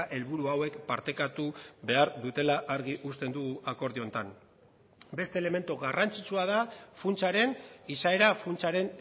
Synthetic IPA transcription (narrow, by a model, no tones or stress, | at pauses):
ʔe̞lβuɾuawe̞kpaɾt̪e̞kat̪uβe̞aɾðut̪e̞laʔaɾɣiʔust̪e̞nd̪uɣuʔako̞ɾðio̞nt̪an | be̞st̪eːle̞me̞nt̪uɣarʔant͡sit͡suað̞afunt͡saɾe̞nisae̞ɾafunt͡saɾe̞n